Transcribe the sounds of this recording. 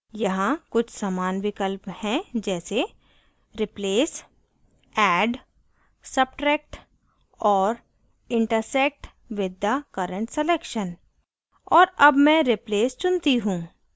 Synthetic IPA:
jɐɦãkʊt͡ʃʰsamaːnʋɪkəlphɛ̃d͡ʒɛːse | ɾɪpleːs | ɛːɖ | sɐb̚ʈɾɛːk̚ʈ | ɔːɾ | ɪ̃ɳʈəɾsɛk̚ʈ | ʋɪd̪ːakəɾə̃ɳʈseleːkʃən | ɔːɾɐbmɛ̃ɾɪpleːst͡ʃʊ̃nt̪iɦũː

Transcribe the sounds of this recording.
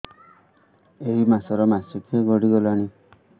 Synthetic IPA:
eɦimasɔɾɔmasukeɡɔɽiɡɔlaɽ̃i

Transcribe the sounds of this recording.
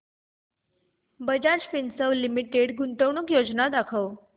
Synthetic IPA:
bəd͡ʑaɾspinsəʋlimiʈeɽɡuɳʈəʋɳ̃ukjod͡ʑnad̪akʰəʋ

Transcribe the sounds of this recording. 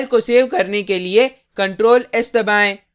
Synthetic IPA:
lkoseːʋkɐɾnekelie | kɐ̃ɳʈɾoːlɪst̪ɐbaːẽː

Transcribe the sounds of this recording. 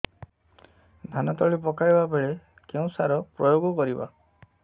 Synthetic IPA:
d̪ʱanat̪ɔɭipɔkajbabeɭe | keũsaɾɔpɾɔjoɡɔkɔɾiba̰

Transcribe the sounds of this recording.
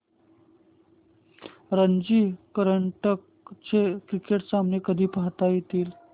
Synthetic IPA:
ɾənd͡ʑiːkəɾəɳʈək | t͡ɕekɾikeʈsamnekəd̪ʱiːpaɦt̪ajit̪iːl

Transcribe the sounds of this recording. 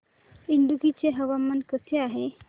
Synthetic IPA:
iɳɖuɡit͡seɦəʋamːənkəseaɦe

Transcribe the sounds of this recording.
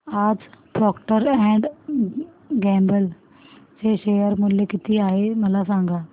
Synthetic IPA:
aːd͡ʑpɾɔːkʈəɾɛ̃ːɳɖ | ɡɛ̃ːmbəl | seʃeːjəɾmʊlekɪt̪iaːɦemɐlasãːŋɡaː

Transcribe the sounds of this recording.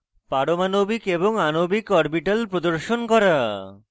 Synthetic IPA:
paɽomanobikeboŋanobikɔɾbiʈalpɾod̪oɾʃonkɔɾa

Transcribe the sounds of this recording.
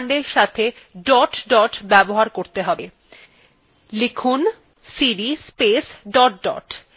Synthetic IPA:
ɳɖeɾʃat̪ʰe | ɖɔʈɖɔʈbɛboɦaɾkoɾt̪eɦɔbe | lekʰun | siɾispesɖɔʈ̚ɖɔ̰ʈ

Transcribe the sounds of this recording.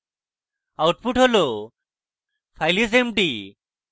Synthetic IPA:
awʈ̚puʈɦolo | pʰajlis̬emʈi

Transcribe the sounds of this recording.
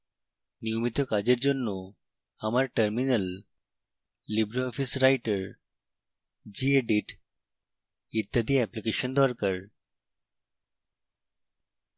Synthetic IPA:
nijomit̪ɔkad͡ʑeɾd͡ʑonːo | amaɾʈəɾminəl | ibɾoɔfisɾajʈəɾ | d͡ʑieɖiʈ | it̪ːad̪ʱiɛplikeɕənd̪ɔɾkəɾ

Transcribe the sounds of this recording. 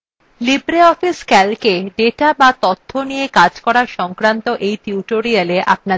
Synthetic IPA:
libɾeɔfiskɛlkeɖeʈabat̪ot̪ʰːonijekad͡ʑkɔɾaɾʃɔŋkɾant̪oʔejt̪iuʈoɾialeʔa̰p̚na

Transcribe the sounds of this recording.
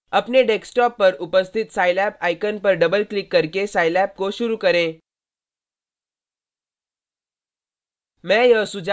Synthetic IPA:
apneɖeksʈɔpːəɾupəst̪ʰit̪sajlæpajkənpəɾɖəbəlklikːəɾkesajlæp̚koɕuɾuːkəɾẽ | mɛ̃jəsud͡z

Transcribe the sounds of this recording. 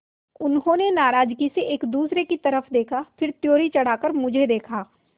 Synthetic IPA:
ʊnɦõnenaːɾaːd͡ʒkiseʔeːkd̪uːsɾekit̪ɐɾəfd̪eːkʰafʰɪɾt̪joːɾit͡ʃɐɽ̤aːkəɾmʊd͡ʒʱed̪eːkʰaː

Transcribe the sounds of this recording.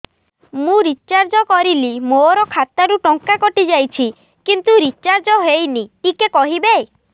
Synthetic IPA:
mũɾit͡ʃaɾd͡ʒɔkɔɾilimoɾɔkʰat̪aɾuʈɔŋkakɔʈid͡ʒajt͡ʃʰi | kint̪uɾit͡ʃaɾd͡ʒɔɦejniikekɔɦibe

